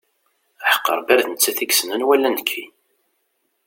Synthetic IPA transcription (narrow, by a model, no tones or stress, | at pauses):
aħə̥qːə̰ɾˤbæɾθənət͡sːæθiɡsənənwælːænəkʰːi